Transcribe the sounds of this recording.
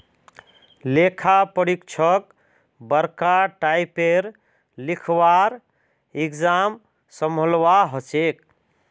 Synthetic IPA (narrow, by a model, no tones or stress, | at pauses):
lekʰapəɽikt͡ʃʰək | bəɾkaʈaipeɾ | likʰwaɾ | iɡd͡ʒam | səmʱəlʋaɦət͡ʃek̚